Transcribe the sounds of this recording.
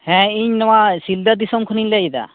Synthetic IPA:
hɛ̃iɲnɔwasild̪ad̪isɔmkʰuniɲlajd̪a̰

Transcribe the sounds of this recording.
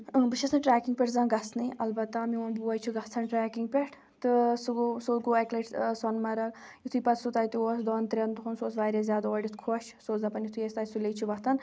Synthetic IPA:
bɨʃɐsɐʈɾaːkiŋɡ̚pʲeʈzãːnɡɐsnɨʔɐlbɐt̪ːamioːnbuɐjt͡ʃʰuɡɐt͡s̪ʰɐnʈɾaːkiŋɡ̚pʲeʈʰ | t̪ɨsuɡsoːt̪ɡoːɐkleʈsɐnmɐɾɐɡjut̪ʰuːpɐt̪sut̪aːjt̪ioːsd̪ɔːnt̪ɾʲent̪uɦunsoːsʋaːɾezʲjaːd̪oːɖʲit̪ʰkʰoʃsoːzɐpɐnjit̪ʰuest̪aːjsulejt͡ʃʰuʋɐt̪ʰɐn

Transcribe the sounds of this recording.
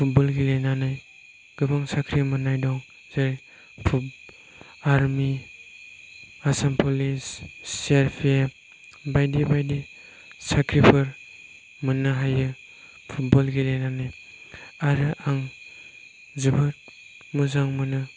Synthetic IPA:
pʰut̚bɔlɡilenanaj | ɡ̥ɯbaŋsakʰɾimɯnajdɔŋ | zaɾ | pʰu | aɾmi | asampʰolisːeɾpʰe | bajdibajdi | sakʰɾipʰɯɾ | mɯnɯɦajɯ | pʰut̚bɔlɡilejnanaj | aɾɯʔaŋ | zubɯt̚ | muzaŋmɯnɯ

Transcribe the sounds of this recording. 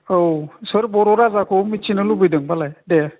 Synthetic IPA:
owsɯɾbɔɾɔɾazakʰomit͡ʃʰinɯlubɯjdɯŋbalajde

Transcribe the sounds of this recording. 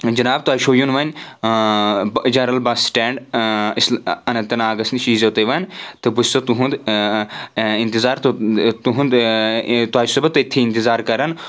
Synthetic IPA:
d͡ʒɐnaːb̚t̪uaːʃoːjunʋɐn | d͡ʒɐɾɐlbɐsʈɛːɳɖisɐnɐnt̪ɐnaːɡɐsnʃiːzoːt̪eʋɐnt̪ɨbussot̪uɦũnd̪ | ɪnt̪izaːɾt̪t̪uɦund̪ | t̪uaːʃsɐbɐt̪it̪ʰːiɪnt̪ɪzaːɾkɐɾɐn

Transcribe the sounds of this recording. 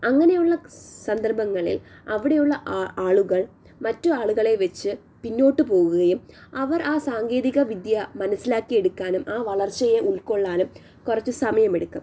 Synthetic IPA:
ɐŋːɐne̞juɭːɐsɐnd̪ɐrbɐŋːɐɭḭlɐʋiɽejuɭːɐʔaːɭuɣɐɭ | mɐtːuaːɭuɣɐɭe̞ʋet͡ɕːɨ | pinːo̞ːʈːɨpo̞ːɣuɣɐjumɐʋɐrʔaːsaːŋɡe̞ːðiɣɐʋid̪jɐmɐnɐsːilaːkːije̞ɽukːaːnumʔaːʋɐɭɐrt͡ɕːɐjeʔuɭko̞ɭːaːlum | kurɐt͡ɕːusɐmɐjɐmeɽukːɐm

